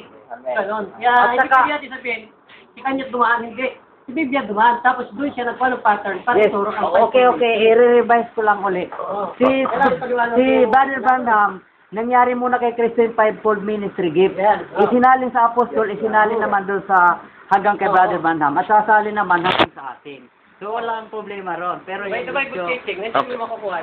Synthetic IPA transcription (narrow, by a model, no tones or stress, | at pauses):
ɡɐnonaɪt͡ʃabjad̪̚ɪsɐbehɪn | sɪkɐɲːad̪ʊmaʔɐnhɪnd̪ɪʔ | ɪbibɪjad̪ʊmant̪aːposd̪ʊnsjanɐɡ̚waloŋpat̪ɛɹnpaːɾɛt̪ːɾonaoːkɛʔoːkɛɪɾɪɾɪbajskolɐŋʊlɛʔsiɐlɪwaːnsɪbad̪ɛlbanham | nɐŋjaːɾɪmuːnɐkɐjkɾɪst̪ɪnpajb̚pold̪̚minɪst̪ɾɪɡɪp̚ʔɪsɪnaːlɪŋsɐʔɐpost̪olɪsɪnaːlɪŋnɐmand̪onsɐ | hɐŋɡaŋkɐjbaːd̪ɛlbanhamɐt̪̚saːsaːlɪnɐmanhaŋɡaŋsɐʔa̰ːt̪ɪŋ | soɐlɐŋɐŋpɾoblɛːmɐɾonpɛːɾoj̪ajotɪŋɪommɐkɐbuhaj